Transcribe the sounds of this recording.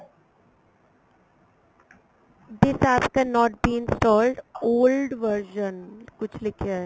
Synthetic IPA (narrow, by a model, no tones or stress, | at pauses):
d̪ɪsaːpkɛnːɔːʈ̚biːɪ̃nsʈɔːlɖoːlɖʋəɾʃə̃nkʊt͡ʃʰlɪkʰe